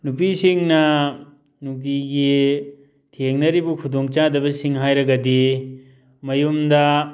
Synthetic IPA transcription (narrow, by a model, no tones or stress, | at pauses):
nupisiŋnɐ | nuk̚diɡi | tʰeŋnɐɾibukʰudoŋt͡ʃadɐbɐsiŋɦajɾɐɡɐdi | mɐjumdɐ